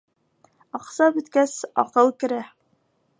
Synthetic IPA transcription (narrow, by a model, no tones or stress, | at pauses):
ɒqsɑbɵ̆t̪kæsɒ̰qɤlˠkɘ̆ɾæ